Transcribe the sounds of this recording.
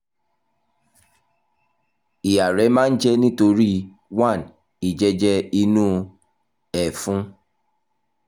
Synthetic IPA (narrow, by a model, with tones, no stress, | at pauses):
i˨a˨ɾɛ˨˦mãː˦n̩˦d͡ʒɛ˦nĩ˦to˧ɾi˦ | wã˦˨n | i˨d͡ʒɛ˦d͡ʒɛ˦i˧nũ˦˧ | ɛ˨fũ˦